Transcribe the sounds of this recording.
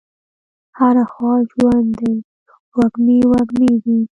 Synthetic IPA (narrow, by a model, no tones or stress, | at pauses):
haɾaxwɑʒwand̪d̪aj | waɡniwaɡnid̪i